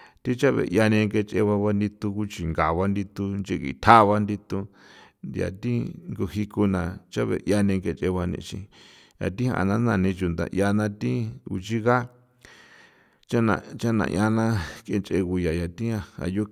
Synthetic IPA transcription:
t̪ĩ˦t͡ʃa˦βḛ˨ʔja˧nẽ˧ŋke˧t͡ʃʼe˧βa˧βa˧nd̪i˧t̪u˧ku˦t͡ʃi˨ŋɡa˨βa˦nd̪i˧t̪u˧nd͡ʒe˧kḭ˧t̪ʰa˦˧βa˧nd̪i˧t̪u˧ | nd̪ja̰˨t̪ĩ˦ŋɡo˧hi˧ku˧nã˨t͡ʃa˦βḛ˨ʔja˧nĩ˧ŋke˧t͡ʃe˧βa˧nḭ̃˧t͡ʃḭ̃˧ | ja̰˨t̪ĩ˦ha̰˧˨nã˦nã˧˨nĩ˧t͡ʃu˨nd̪ã̰˨ʔja˧nã˧t̪ĩ˦u˧t͡ʃi˦ɣa˦ | t͡ʃa˦nã̰˧˨t͡ʃa˦nã̰˧˨ʔja˧nã˦ke˧nt͡ʃʼʔe˧ku˧ja˨ja˨t̪ĩ˦a˧a̰˧˨jo˦

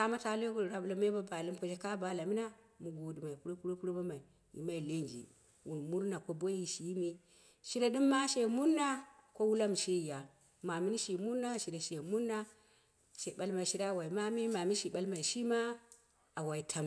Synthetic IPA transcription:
ka˦ma˦ta˦lo˦ku˦˨ɾa˨blo˨m˦e˦ba˦ba˨li˦mko˨d͡ʒe˦ka˦ba˨la˨mi˦na˦mu˨ɡo˨di˨ma˨i˨pu˦ɾo˦pu˦ɾo˦pu˦ɾo˦ba˦ma˨i˨ | ḭ˨ma˦i˨le˦nd͡ʒḭ˨ | wu˨nmu˦ɾna˨ko˦bo˦i˦ʃi˦mi˦ | ʃi˦ɾa˦di˦mːa˦ʃe˨mu˦ɾnːa˦ | ko˦wu˦la˦m˨ʃi˦i˨ja˨ | ma˨mi˦ni˦ʃi˨mu˦na˦ʃi˨ɾa˨ʃe˨mu˦nːa˦ | ʃe˨ɓa˦lma˨i˨ʃi˦ɾa˦˨wa˨i˨ma˦mi˦ma˨mi˦ʃi˨ɓa˦lma˨i˨ʃi˦ma˦ | a˨wa˨i˨tʰa˨m

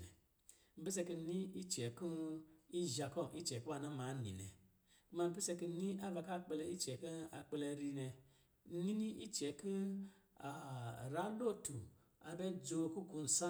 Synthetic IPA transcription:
m̩˦pe˦s̬e˧ki˧ni˦i˦t͡ʃe˨ku˦i˦ʒa˧kɔ˦˨i˦t͡ʃe˨kwa˧˨nã˦ma˨˦nḭ˨nḛ˨ | ku˦ma˧m̩˦bi˦se˧ki˧nĩ˦ʔa˦va˧ka˦˨k͡pe˧le˧i˦t͡ʃe˨ki˦a˧k͡pe˧le˧˨ɾi˧ne˧˦ | ni˦nĩ˦ʔi˦t͡ʃe˨ku˦ | a˨ɾa˦lo˦˨tu˨ | a˨be˦d͡zo˧ku˦ku˧n̩˨sa˦

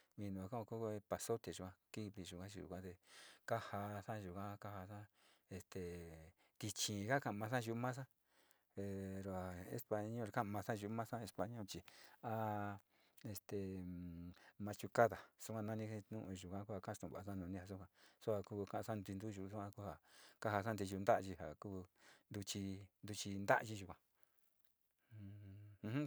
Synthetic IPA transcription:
mĩ˧nũ˨a˨kã˦a˧ku˦˧˦pa˨˧so˦t̪e˨ʒu˧˨kʷã˧ki˦βi˧˨ʒu˧˨kã˦t͡ʃi˧˨ʒṵ˧˨kʷã˦t̪e˧ka˦ha˧sã˦ʒu˨kã˦˧ka˦ha˧sã˦ | e˧st̪e˨ | t̪i˧t͡ʃĩ˨˧ka˦kã˧mã˧s̬ã˦ʒu˧˦mã˦s̬ã˦ | e˧ɾo˧a˨ḛ˧˦spa˧ɲõ˦˧kã˦˨mã˧sã˦ʒu˧˦mã˦sã˦e˧spa˧ɲõ˦t͡ʃi˧a˦ | e˧st̪e˨ | mã˧t͡ʃu˧ka˦ða˨su˧kʷã˧nã˧nĩ˧nũ˧ʔʒu˨kʷã˧ku˦a˧ka˦˧t̪ũ˨βa˨˧sã˦˧nũ˧nĩ˧ha˧s̬u˦kʷã˧so˦a˧kuː˦˧kã˦˧ʔã˧sã˦˧nd̪i˧nd̪u˦˧ʒu˧su˦kʷã˧ku˦ha˨ka˦ha˧sa˦d̪i˧ʒu˧nd̪a˦ʔʒi˧ha̰˨kuː˦˧nd̪u˧t͡ʃi˧nd̪u˧t͡ʃi˧nd̪a̰˦ʔʒi˧ʒu˧kʷã˧ | h

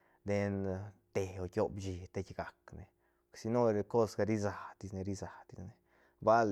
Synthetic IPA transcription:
d̪e˧nt̪e˨o˨kʲo˧bd͡ʒi˨t̪e˧˦kɡa˨kne˨ | ksi˧no˦ɾe˧ko˦sɡa˧ɾi˦za˨d̪i˧sne˧ɾi˦za˨d̪i˨sne˨ | ba˦l

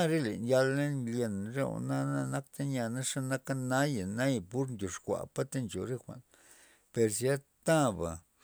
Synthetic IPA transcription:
a˦ɾe˦lḛ˨nja˧lːe˦nlje˧nɾe˦o̰˨na˦na˧na˦kt̪a˦nja˧na˦ʂa˦na˦ka˦na˦ja˨na˦jpu˦ɾndʲo˨ʂkʷa̰˨pa˦t̪e˦nt͡ʃo̰˨ɾe˦xʷa̰˨n | pe˧ɾs̬ja˦t̪a˦ba̰˨

